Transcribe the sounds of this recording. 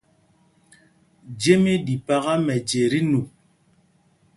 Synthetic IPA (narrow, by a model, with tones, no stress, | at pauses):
d͡ʒe˦mi˦di˨pa˦ɣa˦mɛ˨d͡ʒe˨ɾi˦nu˨